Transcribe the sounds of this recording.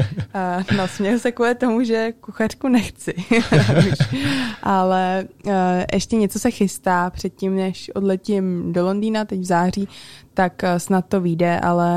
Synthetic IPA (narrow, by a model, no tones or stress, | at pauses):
no̞smɲɛɦosɛkuːlɪt̪o̞muʒɛkuxar̥kunɛxt͡sɪuʃʔalɛ | ʔɛʃcɛɲɛt͡so̞sɛxɪst̪aːpr̝̥ɛt̪̚cɪmnɛʃʔo̞dlɛcɪmdo̞lo̞ndiːnat̪ɛcvzaːr̝iːt̪aksnat̪ːo̞viːdɛʔa̰lɛ